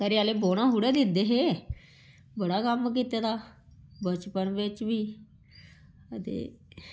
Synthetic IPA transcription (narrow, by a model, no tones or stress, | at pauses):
əɾiaːleːboːɽ̃ãːɦuɽeːd̪ɪd̪eːɦeː | bəɽaːkəmk̬iːt̪aːd̪aː | bət͡ʃpəɳʋɪt͡ʃʋiː | ət̪ḛː